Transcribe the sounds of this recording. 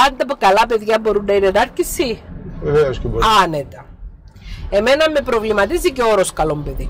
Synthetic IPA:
ɐnd̪ɐpukɐlɐpe̞ðʝɐbo̞ɾunːɐinenɐɾcisieveoskbɐne̞t̪ɐ | e̞menɐmːepɾo̞vlimɐt̪iziceo̞ɾo̞skɐlombe̞ði

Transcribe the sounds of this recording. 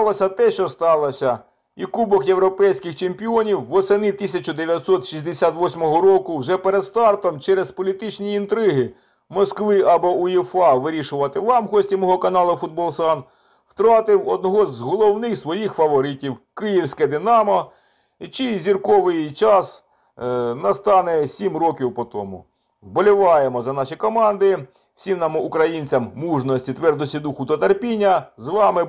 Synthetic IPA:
t̪ɑlˠɔsʲɐt̪ɛʃt͡ʃɔst̪ɑlˠɔsʲɐ | ikubɔxjewɾɔpɛjsʲkɪxt͡ʃempʲiɔnʲiwːɔsenɪt̪isʲɐt͡ʃʊd̪eʋʲjɐt̪ʲsɔt̪ʃisʲd̪esʲat̪ʋɔsʲmɔɦɔɾɔkʊwʒɛpeɾed̪st̪ɑrt̪ɔmt͡ʃɛɾezpɔlʲit̪ɪt͡ʃnʲiːnt̪ɾɪɦɪ | mɔskʋɪʔɐbɔuifɑʋɪɾʲiʃʊʋɐt̪ɪʋɑmɦɔsʲtʲimɔɦɔkɐnɑlˠɐfʊd̪̚bɔlˠsɑn | w̥t̪ɾɑt̪ɪwɔd̪̚nɔɦɔzɦɔlˠɔwnɪxsʋɔjixfɐʋɔɾɪtʲiwkɪjiwsʲkɛd̪ɪnɑmɔ | t͡ʃizʲirkɔʋɪjt͡ʃɑs | nɐst̪ɑnɛsʲimrɔkʲiwpɔt̪ɔ̰mʊ̰ | wbɔlʲiʋɑjemɔzɐnɑʃikɔmɑnd̪ɪ | wsʲimnɑmʊʊkɾɐjinʲt͡sʲɐmːuʒnɔsʲtʲit̪ʋɛrd̪ɔsʲid̪uxʊd̪ɔt̪ɐrpʲinʲːɐzʋɑmɪ

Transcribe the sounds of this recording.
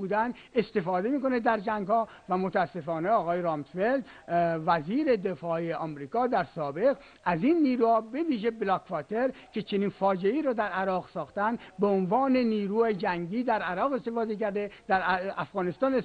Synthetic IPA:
uːd̪ænd̪ | e̞st̪e̞fɒːd̪e̞miːko̞ned̪æɾd͡ʒæŋɡhɒːvæmot̪ʰæːsːe̞fɒːne̞ɒːɣɒːjeɾɑːmsveld̪væziːɾe̞d̪efɒːeɒːmɾiːkʰɒːd̪æɾsɒːbe̞ɣ | æzinːiːɾuːhɒːbe̞viːʒeblɒkvɒt̪ʰeɾcʰe̞t͡ʃʰe̞niːnfɒːd͡ʒeiːɾɒːd̪æɾʔæɾɒːɣsɒːxt̪ænd̪beonvɒːne̞niːɾuːed͡ʒæŋɟiːd̪æɾæɾɒːɣe̞st̪efɒːd̪ecæɾd̪ed̪æɾæfɣɒːnest̪ɒːne

